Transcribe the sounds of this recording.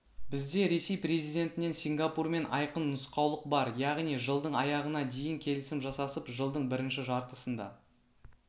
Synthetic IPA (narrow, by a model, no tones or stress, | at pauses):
b̥ɪzd̪e̞ɾe̞se̞jpɾe̞zijd̪ʲe̞nt̪ɪne̞nsiŋɡapurme̞nɑ̰jqənːʊsqɑwlˠəq̚bɑɾjɑʁnijʒəlˠd̪əɴɑjɑʁənɑd̪e̞jɪŋkʲʰe̞lɪsɪmʒɑsɑsəpʒəlˠd̪əɴbɪɾɪnʃɪʒɑɾt̪əsənd̪ɑ̰